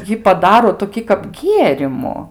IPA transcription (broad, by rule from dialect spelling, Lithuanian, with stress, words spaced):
ˈjiː pɐˈdɑːroː toːˈkʲiː kɐp ˈɡʲiɛrʲɪmʊ